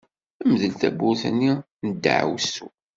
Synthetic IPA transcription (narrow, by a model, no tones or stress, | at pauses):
æməðəlt̪æ̰bːʊθənːi | nəd̪̰ːʕ̰wsu